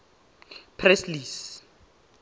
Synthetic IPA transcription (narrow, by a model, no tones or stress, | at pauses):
pʰrɛslis